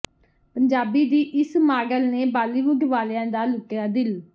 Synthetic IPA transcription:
pəɲd͡ʒaːbiːd̪iːʔɪsmaːɡəlneːbaːliːʋʊɡʋaːlãːd̪aːlʊkɪjaːd̪ɪl

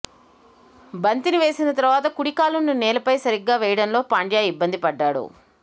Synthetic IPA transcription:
bɐnt̪iniʋe̞ːsinɐt̪ɐɾɐʋaːt̪̬ɐkuɽikaːlunːunɛːlɐpɐjsɐɾiɡːaːʋɛːjɐɽɐnlo̞ːpaːɳɖjaːibːɐnd̪ipɐɖːaːɽṵ

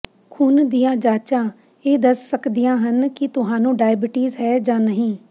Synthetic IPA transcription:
kʰuːnd̪ijãːd͡ʒaːt͡ʃãː | eːd̪əsːəkd̪ijãːɦənkɪt̪ʊɦãːnũːɖaːjbɪʈiːzɦɛːd͡ʒãːnəɦĩː

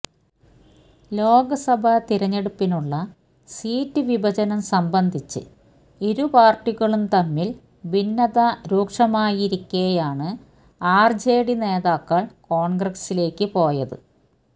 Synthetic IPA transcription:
lo̞ːɡɐsɐbʱɐt̪iɾɐɲːe̞ɽupːinuɭːɐ | siːtːɨʋibʱɐd͡ʑɐnɐmsɐmbɐnd̪ʱit͡ɕːɨ̰ | iɾupaːrʈːiɣɐɭumt̪ɐmːil | binːɐðɐɾuːkʂɐmaːjiɾikʲːejaːɳɨ | aːrd͡ʑeːɽine̞ːðaːkːɐɭkoːɳɡrɐsile̞ːkːɨpo̞ːjɐðɨ̰

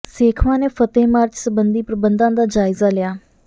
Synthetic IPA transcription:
seːkʰʋãːneːfʰət̪eːmaːɾd͡ʒsəbənd̪iːpɾəbənd̪ãːd̪aːd͡ʒaːɪzaːlɪjaː

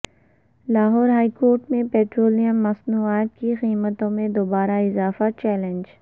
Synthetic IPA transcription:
laːɦɔːɾɦaːikoːɾʈmẽpeːʈɾoːlijəmːɐsnuaːt̪̚kiɣiːmət̪õmẽd̪oːbaːɾaɪzaːfat͡ʃɛːlẽnd͡ʒ

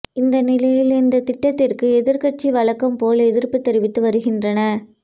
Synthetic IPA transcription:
ɪnd̪ɐnɪlɐjɪlɪnd̪ɐt̪ɪʈːɐt̪ːɪrkɯɛðɪɾkɐʈ̚t͡ʃiʋɐɭɐkːɐmpoːlɐɛðɪrpɯt̪ːɛɾɪʋɪt̪ːɯʋɐɾɯɣɪndrɐnɐ

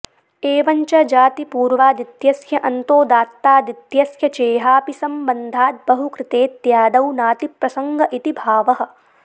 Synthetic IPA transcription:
eːʋɐɲt͡ʃɐd͡ʒaːt̪ipuːɾʋaːd̪it̪jɐsjɐʔɐnt̪oːd̪aːt̪ːaːd̪it̪jɐsjɐt͡ʃeːɦaːpisɐmbɐnd̪ʱaːt̪̚bɐɦukɾɪt̪eːt̪jaːd̪ɐwnaːt̪ipɾɐsɐŋɡɐʔit̪ibʱaːʋɐɦɐ̆

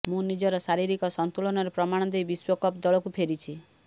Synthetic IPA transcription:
mũnid͡ʒɔɾɔsaɾiɾikɔsɔnt̪uɭɔnɔɾepɾɔmaɽ̃ɔd̪ejbiswɔkɔpd̪ɔɭɔkupʰeɾit͡ʃʰi

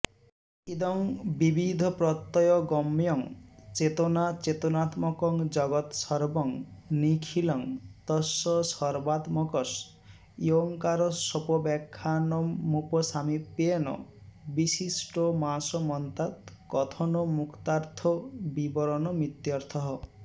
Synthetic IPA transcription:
ed̪ɔŋbibid̪ʱɔpɾɔt̪ːɔjɔɡɔmjɔŋt͡ʃet̪ɔnat͡ʃet̪ɔnat̪mɔkɔŋd͡ʒɔɡɔt̪sɔɾbɔŋnikʰilɔŋt̪ɔsɔsɔɾbat̪mɔkɔs | joŋkaɾɔsɔpɔbɛkʰːanɔmːupɔsamipːeenɔ̰bisisʈɔmasɔmɔnt̪at̪kɔt̪ʰɔnɔmukt̪aɾt̪ʰɔbibɔɾɔnɔmit̪jɔɾt̪ʰɔɦɔ

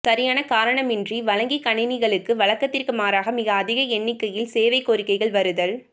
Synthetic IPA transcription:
sɐɾɪjaːnɐkaːɾɐɳɐmɪndriʋɐɻɐŋɡikɐɳɪnɪɣɐɭɯkːɯʋɐɭɐkːɐt̪ːɪrkɯmaːɾaːɣɐmɪɣɐːðɪɣɐɛɳːɪkːɐjɪlseːʋɐɪkːoɾɪkːɐɪɣɐɭʋɐɾɯðɐɭ

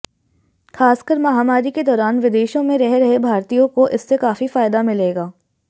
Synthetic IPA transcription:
xaːskəɾmɐɦaːmaːɾiked̪ɔːɾaːnʋɪd̪eːʃõmẽɾɛɦɾɐɦebʱaːɾt̪ijõkoʔɪsːekaːfifaːɪd̪amɪleːɡaː

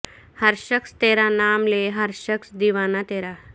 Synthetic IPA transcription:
həɾɕəkst̪eːɾanaːmleɦəɾɕəksd̪iʋaːnat̪eːɾa

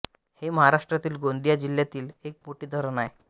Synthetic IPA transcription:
heməɦaɾaʂʈɾat̪iːlɡond̪ijad͡ʑiljat̪iːlek̚moʈiːd̪ʱəɾnaj

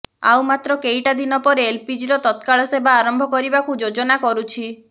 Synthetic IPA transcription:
a̰wmat̪ɾɔkeiʈad̪inɔpɔɾeːlpid͡ʒiɾɔt̪ɔt̪kaɭɔsebʱaːɾɔmbʱɔkɔɾibakud͡ʒod͡ʒɔnakɔɾut͡ʃʰi

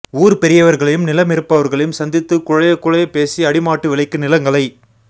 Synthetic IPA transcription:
uːɾpɛɾɪjɐʋɐɾɣɐɭɐjɯmnɪlɐmɪɾɯpːɐʋɐɾɣɐɭɐjɯmsɐnd̪ɪt̪ːɯkʊɻɐjɐkːʊɻɐjɐpːeːsiɐɽɪmaːʈːɯʋɪɭɐɪkːɯnɪlɐŋɡɐɭɐɪ

